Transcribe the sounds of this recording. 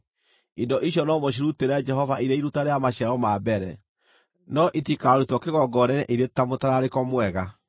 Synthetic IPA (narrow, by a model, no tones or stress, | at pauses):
indɔʔiʃ̬jɔnɔmoɕ̬iɾuteɾɛd͡ʒɛɦɔvaʔiɾeiɾutaɾeamaɕɛɾɔmaːbɛɾɛ̰ | nɔʔitikaːɾutɔkeɣɔɡɔnɛnɛʔiɾetamotaɾaɾekɔmwɛɣa